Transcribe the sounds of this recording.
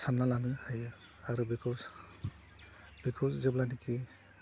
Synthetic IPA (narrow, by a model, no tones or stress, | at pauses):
sʰanːalanɯhajɯ | aɾubikʰɔs | b̥ikʰɔszɛblaniki